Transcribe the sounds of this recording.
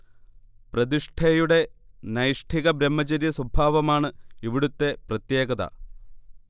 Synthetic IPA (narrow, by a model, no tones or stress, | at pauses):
prɐðiʂʈʰɐjuɽe̞ | nɐjʂʈʰiɣɐbɾemːɐt͡ɕɐɾjɐswɐbʱaːʋɐmaːɳɨiʋiɽut̪ːe̞prɐt̪je̞ːɣɐðɐ̰